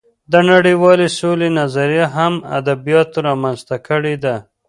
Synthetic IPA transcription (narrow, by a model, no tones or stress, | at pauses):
d̪ənaɽiwɑlesolenazaɾijaɦama̰d̪abijɑt̪ɾɑmanzt̪akəɽed̪a